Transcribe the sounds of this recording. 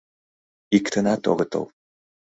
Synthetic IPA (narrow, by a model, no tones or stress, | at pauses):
ikt̪ʰənat̪o̰ɣət̪o̰wˠ